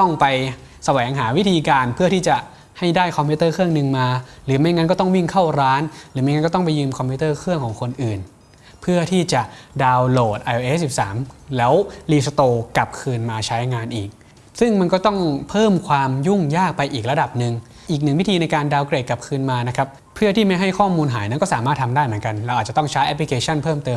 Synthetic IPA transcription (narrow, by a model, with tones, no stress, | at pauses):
t̪ɔ˥˩ŋpa˧j | sa˧wɛː˩˦ŋɦaː˩˦wi˦˥t̪ʰiː˧kaː˧npʰɯ˥˩ət̪ʰiː˥˩t͡ɕa˨˩ | ha˥˩jdaː˥˩jkʰɔ˧pʰuː˦˥t̪ɤː˥˩kʰɯ˥˩əŋnɯ˧ŋmaː˧ɾɯː˩˦ma˧jŋa˦˥nkɔ˥˩t̪ɔ˥˩ŋwi˥˩ŋkʰa˥˩wɾaː˦˥nɾɯː˩˦ma˧jŋa˦˥nkɔː˥˩t̪ɔ˥˩ŋpa˧jːɯː˧mkʰɔ˧mpʰuː˦˥t̪ɤː˥˩kʰɯ˥˩əŋkʰɔː˩˦ŋkʰo˧nʔɯː˨˩n | pʰɯ˥˩ɐt̪ʰiː˥˩t͡ɕa˨˩ʔdaː˧wloː˨˩t̪̚ʔa˧jʔʔe˦˥si˨˩p̚saː˩˦mlɛː˦˥wliː˧sa˧t̪oː˧ka˨˩p̚kʰɯː˧nmaː˧t͡ɕʰa˦˥jŋaː˧nʔiː˨˩k̚ | sɯ˥˩ŋma˧nkɔː˥˩t̪ɔ˥˩ŋpʰɤː˥˩mkʰwaː˧mju˥˩ŋjaː˥˩k̚pa˧jʔiː˨˩k̚ɾa˧da˨˩p̚nɯ˨˧ŋ | ʔiː˨˩k̬̚nɯ˨˩ŋwi˦˥t̪ʰiː˧na˧jkaː˧ndaː˧wkɾeː˨˩t̪̚ka˨˩p̚kʰɯː˧nmaː˧na˦˥kʰa˦˥p̚ | pʰɯ˥˩ɐt̪ʰiː˥˩ma˥˩jɦa˥˩jkʰɔː˥˩muː˧nɦaː˩˦jna˦˥nkɔː˥˩saː˩˦maː˥˩t̪ʰa˧mdaː˥˩jmɯ˩˦nka˧nlɛ˧˦˧wʔaː˨˩t͡ɕa˨t̪ɔ˥˩ŋt͡ɕʰa˦˥jʔɛ˦˥pli˧kʰeː˧t͡ɕʰa˥˩npʰɤː˥˩mt̪ɤː˧